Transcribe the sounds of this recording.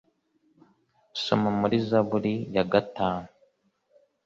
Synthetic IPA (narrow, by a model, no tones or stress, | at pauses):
so̰mumuɾizaβuɾijaɡataːnu